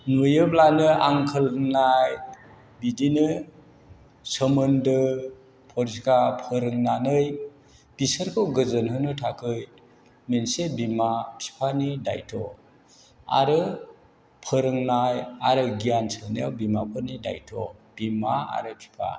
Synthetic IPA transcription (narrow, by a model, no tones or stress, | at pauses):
nujɯp̚lanɯa̰ŋkʰɯlɯŋnaj | bidinɯ | səmɯndɯ | pʰɔɾskapʰɯɾɯŋnanɯj | b̥isəɾkʰɯwɡɯzɯnɦɯnɯtʰakʰɯj | mensebimapʰi̥pʰanida̰jtʰɔ̰ | a̰ɾɯ | pʰɯɾɯŋnajaɾɯɡijansɯnɯjawbimapʰɯnida̰jtʰɔ̰b̥imaa̰ɾɯpʰi̥pʰa̰